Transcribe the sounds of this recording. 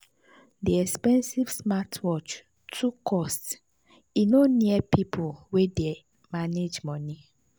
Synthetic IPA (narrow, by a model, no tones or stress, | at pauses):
diɛkspɛ̃nsivsmatʰwɔt͡ʃ | tʰukʰɔst | inonĩɛpʰipʰowediɛ | mãned͡ʒmɔ̃nĩ